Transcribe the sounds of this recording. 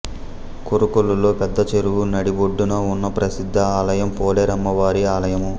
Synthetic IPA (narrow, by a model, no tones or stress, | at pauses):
koɾukoɭːulo̞ːpɛd̪ːɐt͡ʃeɾuwunɐɽiboɖːunɐunːɐpɾɐsid̪ʱːɐaːlɐjɐmpɔːleːɾɐmːɐʋaːɾiaːlɐjɐmu